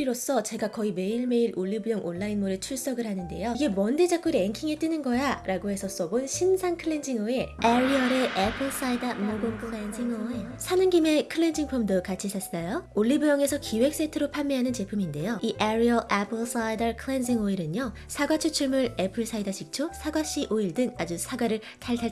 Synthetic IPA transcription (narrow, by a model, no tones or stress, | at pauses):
iɾos͈ʌt͡ɕe̞ɡakʌime̞iɭme̞iɾʔoʎːibujʌŋʔonːainmoɾɯt͡ɕʰuɭs͈ʌɡɯɭhanɯnde̞̰joiɡe̞mʌnded͡ʑak͈ɯɾieŋkʰiŋet͈ɯnɯnɡʌjaɾaɡoɦe̞sʰʌs͈ʌbonɕʰinsʰankʰɯɭːe̞nd͡ʑiŋoe̞eɾiʌɾe̞ʔepʰɯɭs͈aidaminoɡoŋkʰɯɭend͡ʑiŋoesʰanɯnɡime̞kʰɯɭːend͡ʑiŋpʰomdokat͡ɕʰisʰasajooʎːibujʌŋe̞sʰʌkiwe̞k̚s͈etʰɯɾopʰanmeɦanɯnt͡ɕe̞pʰuminde̞joiʔaɾiʌʔapʰɯɭs͈aidʌɭkʰɯɭend͡ʑiŋoiɾɯno | sʰaɡwat͡ɕʰut͡ɕʰuɭmuɾepʰɯɭs͈ʰaidaɕʰik̚t͡ɕʰosʰaɡwaɕ͈iʔoiɭdɯŋad͡ʑusʰaɡwaɾɯɭ | tʰaɭtʰaɭ